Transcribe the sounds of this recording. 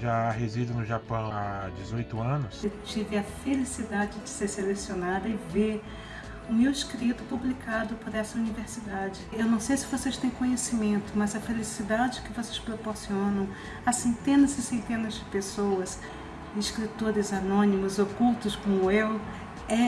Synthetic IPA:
ʒaaɦezid̪ʊnʊʒapɐ̃w̃ad͡ʒɪzojt̪ʊɐ̃nʊst͡ʃivɪɐfelisid̪ad͡ʒɪd͡ʒɪseɾselesionad̪ɐɪve | ʊmewɪskɾit̪ʊpublikad̪ʊpoɾɛsɐuniveɾsid̪ad͡ʒɪewnɐ̃w̃sejsɪvosejst̪ẽj̃kõɲesimẽnt̪ʊmɐzɐfelisid̪ad͡ʒɪkɪvosespɾopoɾsiõnɐ̃w̃ | asẽnt̪ẽnɐzɪsẽnt̪ẽnɐzd͡ʒɪpesowɐs | ɪskɾit̪oɾɪzanõnimʊzokuwt̪ʊskõmʊew | ɛ

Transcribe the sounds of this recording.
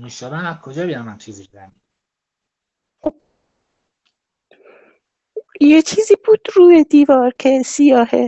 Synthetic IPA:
miʃɒbænæzkʰod͡ʒɒːbijamænt͡ʃʰizibud̪æn | jet͡ʃʰiːziːbuːd̪̥ɾuːjed̪iːvɒːɾkʰesijɒːhe

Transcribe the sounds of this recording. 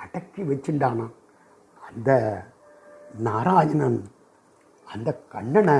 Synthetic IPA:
ɐɽɐkːiʋɐt͡ɕːinɖaːɳa | ɐnd̪ɐ | naːɾaːjɐnɐn | ɐnd̪ɐkɐɳːɐɳɐ

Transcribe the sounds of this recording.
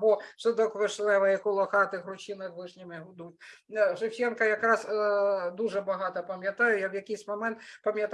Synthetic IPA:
bɔsɪd̪ɔkʋɪʂlˠɛʋɐjikʊlˠɐxɑt̪ɪɣrʊt͡ʃinɪxʋɪʂnʲɪmɪɦʊd̪utʲʐɪwt͡ʃʲɛnkɐjɐkɾɑsd̪uʐɛbɐɦɑt̪ɐpɐmʲjɐt̪ɑjʊjawjɐkʲɪjsʲmɐmɛnt̪pɐmʲjɐt̪

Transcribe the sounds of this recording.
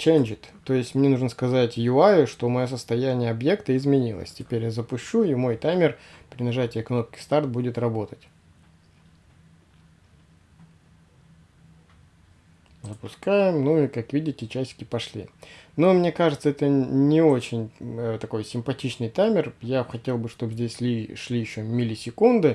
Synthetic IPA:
t͡ɕenʲd͡ʑɪt̪ːo̞jɪsʲtʲmnʲe̞nuʐnəskɐzatʲjʊajʊʂt̪omɐjo̞səst̪ɐjænʲɪjəɐbje̞kt̪əɪzmʲɪnʲilˠə̰sʲtʲɪpʲeɾʲjazəpʊɕːuimo̞jt̪amʲɪrpɾʲɪnɐʐatʲɪjəkno̞p̚kʲɪ̥st̪art̪̚budʲɪt̪rɐbo̞t̪ətʲ | zəpʊskajɪmnuikakvʲidʲɪtʲɪt͡ɕæsʲt̪ʲɪ̥kʲɪpɐʂlʲḭnomnʲe̞kaʐɨt̪səɛt̪ənʲɪo̞t͡ɕɪnʲt̪ɐko̞jsʲɪmpɐtʲit͡ɕnɨjt̪amʲɪrjaxɐtʲe̞lˠbɨʂt̪o̞bzʲdʲesʲlʲiʂlʲijɪɕːomʲɪlʲɪsʲɪkund̪ɨ

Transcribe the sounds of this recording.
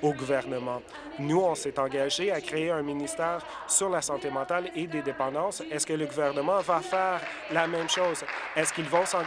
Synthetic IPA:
oɡuvɛʁnəmɑ̃ | nuɔ̃sɛt̪ɑ̃ɡaʒeakχeeɛ̃minist̪ɛːʁ | syʁlasɑ̃t̪emɑ̃t̪aled̪ed̪epɑ̃d̪ɑ̃sɛskələɡuvɛʁnəmɑ̃vafɛːʁ | lamɛ̃mʃoːzɛskʲilvɔ̃sɑ̃

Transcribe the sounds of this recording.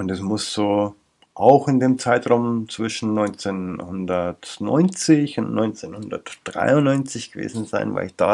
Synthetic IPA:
ʔʊntɛsmʊsz̥oː | ʔaʊxɪndeːmt͡saɪtʁaʊmt͡sv̥ɪʃn̩nɔʏnt͡senhʊndɐtnɔ̰ʏnt͡sɪçʊntnɔʏnt͡senhʊndɐ̰td̥ʁa̰ɪʊnːɔʏnt͡sɪçɡ̥əvḛːzn̩zaɪnva̰ɪlɪçd̥a̰ː

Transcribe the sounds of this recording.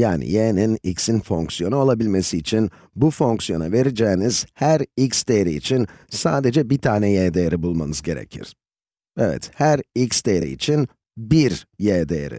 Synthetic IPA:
jaːnḭjeninicsinfo̞ŋksijo̞nuolˠabilʲme̞siːt͡ʃʰin | bufo̞ŋksjo̞na̰ve̞ɾed͡ʒɛːniz̥hæɾicsd̪eɾiːt͡ʃʰinsaːd̪e̞d͡ʒɛbiɾt̪ʰaːnɛjeːd̪ejɾibulˠma̰nɯzɟe̞ɾḛcʰḭɾ̥ | ɛvɛ̰t̪hæɾicsd̪eɾḭḭt͡ʃʰin | biɾjeːd̪ejḛɾḭ

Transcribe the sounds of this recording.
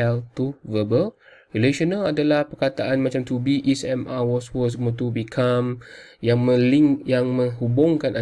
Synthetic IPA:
alt̪uvəbəlrileʃɔnaladalahpərkat̪aʔanmat͡ʃamt̪ubiʔɛsɛmawɔswəs̬əmut̪ubikʰamjaŋmə̃liŋjaŋmə̃ŋɦubʊŋkana

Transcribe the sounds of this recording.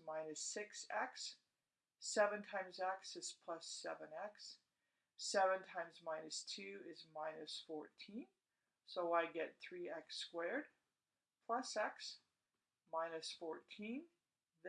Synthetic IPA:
mãɪ̃nɨsɪksɛksː | ɛvɨ̃ntʰãɪ̃mzɛksɨz̥pʰl̥ʌsɛvɨ̃nɛksː | ɛvə̃ntʰãɪ̃mzmãɪ̃nɨstʰʉɪzmãɪ̃nɨsfɔɹtʰĩn | soʊaɪɡɛt̪̚θɹiɛkskwɛɹd̥̚ | pʰl̥ʌsɛks | mãɪ̃nɨsfɔɹtʰĩn | ð

